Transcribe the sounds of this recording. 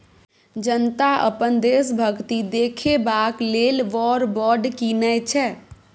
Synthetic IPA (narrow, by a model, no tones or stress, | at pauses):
d͡ʒənt̪aʔə̰pənd̪eːsbʱəɡt̪id̪eːkʰebaːkleːlʋɔːɾbɔːɖkinəjt͡ʃʰɛ